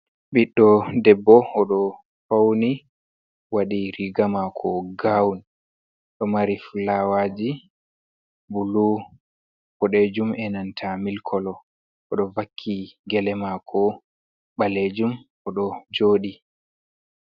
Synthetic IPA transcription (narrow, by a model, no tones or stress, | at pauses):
ɓiɗːɔdɛbːɔɔɗɔ | fawni | waɗiɾiɡamakʰɔɡawn | ɗɔmaɾiflawad͡ʒi | bulu | kɔɗed͡ʒumɛnantʰamilkʰɔlɔ | ɔɗɔvakʰːiɡɛlɛmakʰɔ | ɓaled͡ʒum | ɔɗɔd͡ʒoːɗi